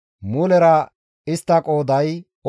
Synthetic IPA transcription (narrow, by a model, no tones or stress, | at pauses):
mʊlɛɾɐ | ɪst̪ːɐkʼo̞ːd̪ɐj | ɔ